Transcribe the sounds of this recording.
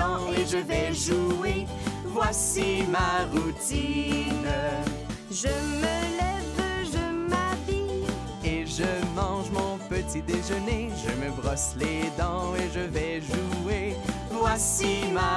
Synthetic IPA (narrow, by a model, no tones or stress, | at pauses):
eʒəvɛʒue | vwasimaʁut̪in | ʒəməlɛvʒəmavi | eʒəvɑ̃ʒmɔ̃pət̪id̪eʒəneʒəməbʁɔsled̪ɑ̃eʒəvɛʒue | vwasima